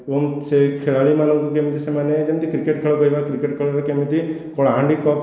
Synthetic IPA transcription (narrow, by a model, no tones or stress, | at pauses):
omsekʰeɭaɭimanɔŋkukemit̪isemaned͡ʒemt̪ikɾikeʈkʰeɭɔkɔjbakɾikeʈkʰeɭɔɾekemit̪i | kɔɭaɦãɳɖikɔp